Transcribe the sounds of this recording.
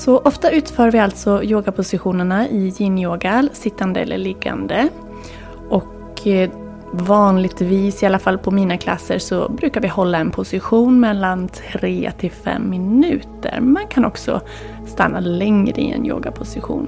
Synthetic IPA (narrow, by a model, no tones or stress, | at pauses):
sɔʔɔft̪aʉ̟ːt̪fœːɾvɪalt̪sɔjoːɡapʰʊsɪɧuːnəɳaʔɪjinjoːɡalsɪt̪ːand̪əɛ̰lːə̰ɭɪɡːa̰nd̪ə | ʔɔk | vɑːnlɪɡt̪viːsɪalːafalːpʰɔmiːnakʰla̰sːəsɔ̰bɾʉ̟ːkaɾvɪhɔlːaɛnpʰʊsɪɧuːnmɛlːant̪ʰɾeːt̪ʰɪlfɛ̰mːɪnʉ̟ːt̪ə̰ɾmankʰanɔksɔ̰ | st̪a̰nːalɛŋɾə̰ɪ̰ɛ̰njo̰ːɡa̰pʰʊsɪɧṵːn